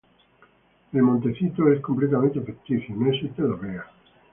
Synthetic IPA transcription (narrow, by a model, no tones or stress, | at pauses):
elmõnt̪eθit̪oeskomplet̪amẽnt̪efekt̪iθjonoesist̪eðoβea